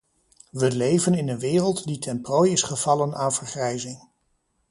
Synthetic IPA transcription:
ʋəlejvənɪnənʋɪːrəlˠtditɛmprojɪsχəv̥ɑlənaːnvəɹχrɛjzɪŋ

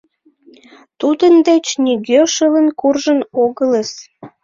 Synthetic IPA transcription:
t̪ud̪ənd̪et͡ɕniɣøʃələnkurʒənoɣələs

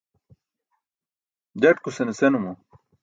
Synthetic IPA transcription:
d͡ʑɐʈ̚kusenesenumo

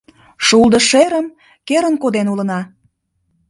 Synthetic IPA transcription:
ʃulˠd̪əʃeɾəm | keɾənkod̪enulə̆nɑ

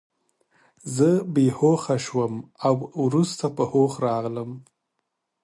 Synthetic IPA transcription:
zəbehoxaʃwəmawɾust̪apəhoxɾɑɣləm

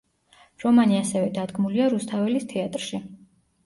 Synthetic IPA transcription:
ɾɔmaniasɛvɛd̪ad̪ɡmuliaɾust̪ʰavɛlist̪ʰɛat̪ʼɾʃi

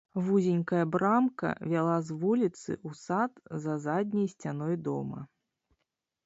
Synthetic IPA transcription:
vuzʲenʲkɐjɐbɾamkɐ̰vʲalˠazvulʲit̪sɨ̰ʔusat̪zɐzadʲnʲɐjsʲt͡sʲan̪ɔjd̪ɔ̰mɐ̰

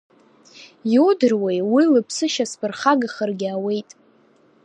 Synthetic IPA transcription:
jodɨrwejwilɨpʰsɨʃaspʰɨrχaɡaχərɡʲawe̞jtʼ

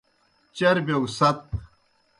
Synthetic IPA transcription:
t͡ɕɐɾbewsɐt̪̚

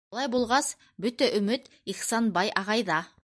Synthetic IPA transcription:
lˠɑjbulˠʁɑs | bɵt̪æʔɵ̆mɘt̪iχsɑnbɑjʔɑʁɑjðɑ

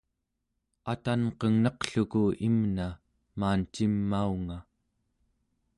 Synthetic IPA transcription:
at̪anqʌŋnʌqɬukuimna | maːnt͡ʃimːauŋa

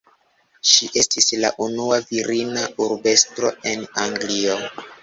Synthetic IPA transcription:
ʃiʔe̞stisla̰ʔunuaviɾinauɾbe̞stɾo̞̰e̞naŋɡlio̞

